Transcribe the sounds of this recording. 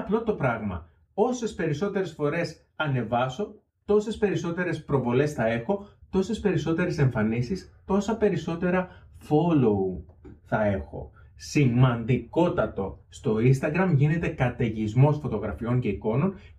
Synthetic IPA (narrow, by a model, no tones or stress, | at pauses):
ɐplo̞t̪o̞pɾɐɣmɐ̰ | o̞se̞spe̞ɾiso̞t̪e̞ɾe̞sfo̞ɾe̞s | ɐne̞vɐso̞ | t̪o̞se̞spe̞ɾiso̞t̪e̞ɾe̞spɾo̞vo̞le̞sθɐe̞xo̞t̪o̞se̞spe̞ɾiso̞t̪e̞ɾese̞ɱfɐnisist̪o̞sɐpe̞ɾiso̞t̪e̞ɾɐfo̞lo̞uθɐe̞xo̞̰ | simɐnd̪iko̞t̪ɐt̪o̞st̪o̞inst̪ɐɡɾɐmʝine̞t̪e̞kɐt̪e̞ʝizmo̞sfo̞t̪o̞ɣɾɐfio̞ɲce̞iko̞no̞n